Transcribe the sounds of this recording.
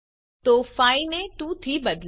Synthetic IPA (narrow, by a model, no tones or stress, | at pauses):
t̪oːfaːinẽʈũt̪ʰibɐd̪l